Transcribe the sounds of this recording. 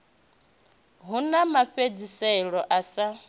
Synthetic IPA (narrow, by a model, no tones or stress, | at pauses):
ɦunamaɸed͡zisɛɺɔʔasa